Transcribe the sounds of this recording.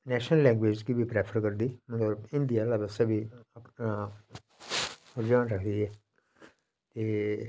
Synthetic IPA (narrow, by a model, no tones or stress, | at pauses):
nɛːʃnəlːɛ̃ːŋɡʋeːd͡ʒkiːbʱiːpɾɛːpʰəɾkəɾd̪iːmət̪ləbɪnd̪ijaːlaːbəsabʱiːəp | d͡ʒaːnɾəkʰd̪iːɛː | t̪eː